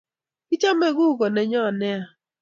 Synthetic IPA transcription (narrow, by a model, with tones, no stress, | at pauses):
i˦t͡ʃa˦me˨ɣʊ˦˨ɡɔ˨ne˨ɲɔ˦˨nɪ˦a˨